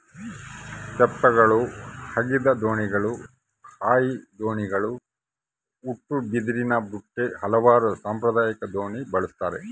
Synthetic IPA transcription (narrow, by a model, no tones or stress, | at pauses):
t͡ʃɛpːɐɡɐɭuhɐɡid̪ɐd̪oːɳiɡɐɭu | haːjid̪oːɳiɡɐɭu | uʈːubid̪iɾinɐbuʈːehɐlɐʋaːɾusaːmpɾɐd̪aːjɐkɐd̪oːɳibɐɭust̪aːɾḛ